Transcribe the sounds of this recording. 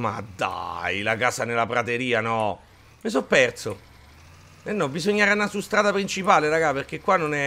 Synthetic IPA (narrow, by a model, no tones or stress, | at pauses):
ma̰d̪a̰jlakaːsanelapɾat̪eɾiːanɔ | mes̬ɔpːɛrt̪so | enːɔbisoɲːaɾanːasust̪ɾaːd̪apɾint͡ʃipaːleɾaɡaperk̟ekːwanːonɛ